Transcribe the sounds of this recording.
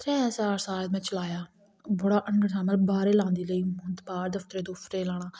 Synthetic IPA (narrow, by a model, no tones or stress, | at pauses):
t̪ʰɛ̃ːsaːɾsaːlmɛ̃ːt͡ʃəlaːjaː | bəɽaːʔəɳɖəɾʰaːməlbaːɾeːlãːnd̪iːləiːmʊnt̪baːɾd̪əft̪ɾeːd̪ofʰɾeːlaːɽ̃aː